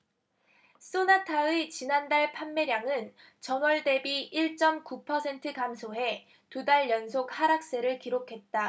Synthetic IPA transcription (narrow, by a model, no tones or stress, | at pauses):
s͈onatʰaet͡ɕinandaɭpʰamːe̞ɾjaŋɯn | t͡ɕʌmʌɭde̞biiɭt͡ɕ͈ʌmkupʰʌsʰe̞ntʰɯkamsʰoɦe̞ | tudaɭjʌnsʰok̚haɾak̚s͈e̞ɾɯɭkiɾokʰe̞t̚t͈a